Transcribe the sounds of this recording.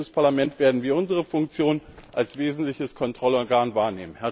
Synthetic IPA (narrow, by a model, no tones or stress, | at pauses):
əspʰaɐlamɛntv̥eːɐdn̩viːɐʔʊnzəʁəfʊŋkt͡sjoːnʔalsv̥eːzn̩tlɪçəskʰɔntʁ̥ɔlɔɐɡaːnvaːɐneːmənhɛɐ